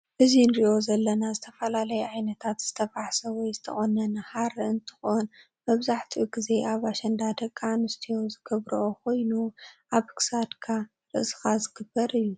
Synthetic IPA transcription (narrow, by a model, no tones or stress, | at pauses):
ʔɨzinɾiʔo̞zɐlːɐnazɨt̪ʰɐfɐlalɐjɛʕajnɐt̪ʰat̪z̥ɨt̪ʰɐfaħsɐwɔjzɨt̪ʰɐχʼonɐnɨhaɾɨɨnt̪ʰɨ̥xon | mɐβzaħt̪ʰiʔɡize̞ʔaβaʃɐnd̪ad̪ɐkʼːanɨst̪ʰijo̞zɨɡ̥ɐβɾɐʔokʰo̞jnuʔaβkʰɨ̥sad̪kʰa | ɾɨʔsɨ̥xazɨɡ̥ɨbːɐɾɨjːu